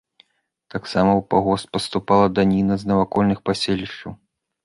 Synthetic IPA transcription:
t̪aksamɐwpaɣɔst̪̚pɐst̪upalˠɐd̪anʲinɐznɐvakɔlʲnɨxpasʲelʲiʂt͡ʂɐw

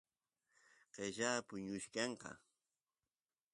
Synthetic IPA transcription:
qeʒaːpʊɲʊʃkɑɴqɑ̰

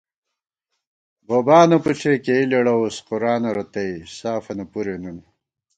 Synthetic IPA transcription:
boːbaːnɐpuʈ͡ʂʰekeileɽɐwosquɾaːnɐɾɐt̪ɐjsaːfɐnɐpuɾenun

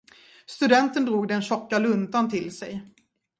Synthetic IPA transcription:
st̪ɵd̪ɛnt̪ənd̪ɾuːɡd̪ɛnɕɔkːalɵnd̪ant̪ʰɪlsɛj

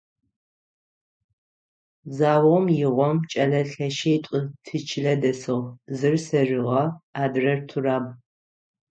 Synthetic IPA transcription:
zaːwɐʁmjɪʁʷɔmt͡ʃʼɐlɐɬɐʃejtʷʼʊtʰɨt͡ʃʰɪɮɐdɐsɨʁzɨrsɐʒɪʁɐaːdrɐrtʰuraːb

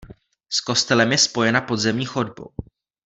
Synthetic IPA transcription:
sko̞st̪ɛlɛmjɛspo̞jɛnapo̞d̪zɛmɲiːxo̞dbo̰w

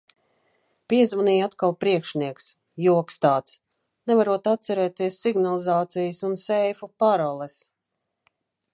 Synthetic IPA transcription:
piɛzvaniːat̪kalˠpɾiɛkʃniɛks | juɔkst̪aːt̪s | nɛvaɾuɔt̪at̪sɛɾɛːt̪iɛsːiɡnalˠizaːt̪sijəsunsɛjfupaɾɔlˠɛs

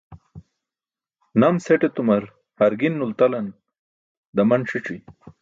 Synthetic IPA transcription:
nɐmseʈet̪umɐɾ | hɐɾɡinːult̪ɐlɐn | d̪ɐmɐnʂiʈ͡ʂi

